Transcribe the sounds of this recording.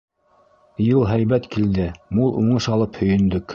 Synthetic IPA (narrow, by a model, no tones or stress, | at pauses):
jɤlˠɦæjβæt̪kild̪ɘmulˠʔuɴɤʃɑlˠɤphɵ̆jɵ̆nd̪ɵk